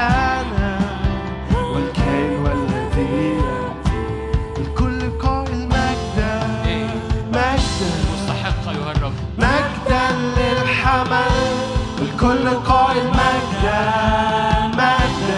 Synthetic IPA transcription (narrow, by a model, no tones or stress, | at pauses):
ana | wɪlkajnwalːat̪ːɪbiːa | ɪlkʊlːɪlqɑːʔɪlmak̚d̪a | maɡd̪a | maɡd̪aːɪlħamal | ɪlkʊlːɪlqɑːʔɪlmaɡd̪a | maɡ̚d̪